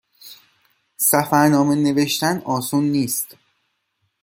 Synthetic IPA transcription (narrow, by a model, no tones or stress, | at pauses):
sæfæɾnɒːme̞ne̞ve̞ʃt̪ænɒːsunːiːst̪